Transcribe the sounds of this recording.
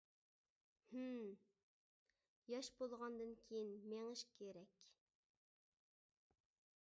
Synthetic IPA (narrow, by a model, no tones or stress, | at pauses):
h̩ | jɑʃbolˠʁɑnd̪ɨnkʲʰejinmeŋɪʃkʲʰeɾɛkʲ